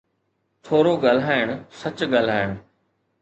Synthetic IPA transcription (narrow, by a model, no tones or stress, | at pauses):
t̪ʰoːɾoɡɐl̤aːɪɽ̃sɐt͡ɕɡɐl̤aːɪɽ̃